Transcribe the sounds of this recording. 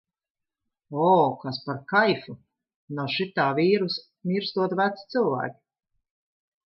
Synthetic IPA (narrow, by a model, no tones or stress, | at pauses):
ɔːkaspaɾkajfu | nɔʃit̪aːviːɾus | miɾst̪uɔt̪væt̪st̪sɨlˠvæ̰ːkʲi̥